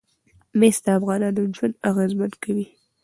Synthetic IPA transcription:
mest̪əafɣɑnɑnod͡ʒwand̪aɣezmankʰawi

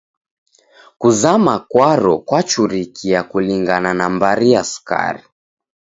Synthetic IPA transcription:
kuzamakwaɾɔkwat͡ʃuɾikʰijakuliŋɡananambaɾiasu̥ka̰ɾi

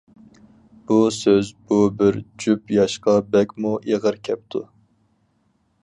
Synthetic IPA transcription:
b̥usøzbubɪɾd͡ʒypjɑʃqɑbɛkʲmuʔeʁəɾkʲʰɛp̚t̪ʰu

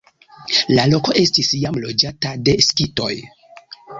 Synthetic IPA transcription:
lalo̞ko̞ʔe̞stisjamlo̞d͡ʒatade̞skito̞̰j

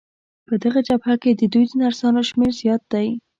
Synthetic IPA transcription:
pəd̪aɣad͡ʒabhaked̪əd̪ujd̪ənaɾsɑnoʃmeɾzjɑt̪̚d̪aj

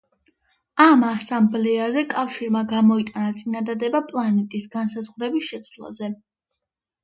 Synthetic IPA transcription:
amasamblɛazɛkʼafʃiɾmaɡamɔit̪ʼanat̪sʼinad̪ad̪ɛbapʼlˠanɛt̪ʼisɡansazʁɾɛbisʃɛt̪sʰwlˠa̰zɛ

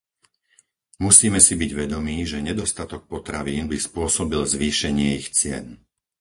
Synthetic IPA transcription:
musiːmɛsibiɟʋɛd̪ɔmiːʒɛɲɛd̪ɔst̪at̪ɔk̚pɔt̪ɾaʋiːnbispʊɔsɔbilzʋiːʃɛɲɪɛixt͡sɪɛ̰n

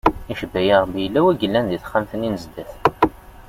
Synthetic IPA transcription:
iʃəbːæjəʁbijəlːæwæɡəlːænðiθχamθəninəzd̪æθ

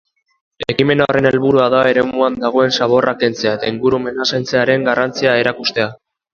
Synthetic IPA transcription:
e̞kime̞naore̞ne̞lβuɾuaðae̞ɾe̞muand̪aɣ̞o̞e̞nsaβo̞rake̞nt͡seaet̪aiŋɡuɾume̞nasejnt͡se̞aɾe̞ŋɡarʔant͡siae̞ɾakust̪e̞a

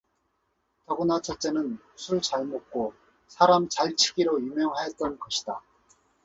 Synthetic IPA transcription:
tʌɡɯnat͡ɕʰʌt͡ɕ͈e̞nɯn | sʰuɭt͡ɕaɭmok̚k͈o | sʰaɾamt͡ɕaɭt͡ɕʰiɡiɾojumjʌŋɦaɦe̞t̚t͈ʌnɡʌɕʰid̥a

